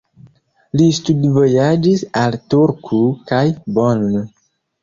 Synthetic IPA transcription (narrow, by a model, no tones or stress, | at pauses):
listudvojad͡ʒisaltuɾkʰukajbonn